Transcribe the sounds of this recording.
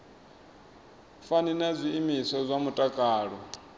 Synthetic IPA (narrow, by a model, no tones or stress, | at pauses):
faninazʷiːmisɔzʷamutʼakʼaːɺɔ